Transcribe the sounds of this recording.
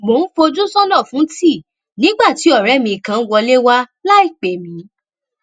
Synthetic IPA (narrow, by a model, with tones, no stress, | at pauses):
mo˨˦n̩˦fo˧d͡ʒũ˦sɔ̃˦nɔ̃˦˨fũ˨˦ti˦˨ | nĩ˨˦ɡ͡ba˦˨ti˨˦ɔ˦˨ɾɛ˨˦mĩ˧i˨kã˨˧n̩˦wɔ˧le˦wa˦la˦i˦˨k͡pe˨mĩ˨˦